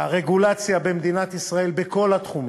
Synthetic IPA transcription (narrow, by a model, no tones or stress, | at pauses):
haʁe̞ɡulat͡sjabemd̪inat̪isʁae̞lbeko̞lat̪χum